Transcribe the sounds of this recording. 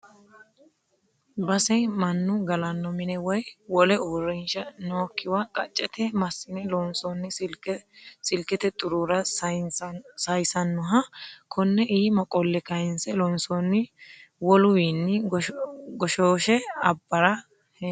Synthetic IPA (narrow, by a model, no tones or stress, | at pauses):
bɐsɛmɐnːʊɡɐlɐnːɔmɪnɛwɔjwɔlɛoːrːɛnʃɐnoːkːɪwakʼɐ̰t͡ʃʼːɛt̪ʰɛmɐsːɪnɛlɔnsɔnːɪ | sɪlkɛt̪ɛt̪ʼʊɾuɾɐ | sɐjsɐnːɔɦɐkʰɔnːɛʔiːmɐkʼɔlːɛkɐjɪnsɛlɔnsɔnːɪwɔlʊwiːnːɪ | ɡɔʃoːʃɛɐbːɐɾɐ | h